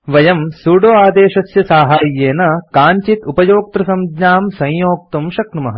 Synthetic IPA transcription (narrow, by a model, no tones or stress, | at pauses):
ʋɐjɐmsuːɖoːaːd̪eːʃɐsjɐsaːɦaːjːeːnɐkaːɲt͡ʃit̪upɐjoːk̚t̪ɾɐsɐmɡɲaːmsɐ̃jjoːk̚t̪umʃɐkɳɐmɐɦɐ̰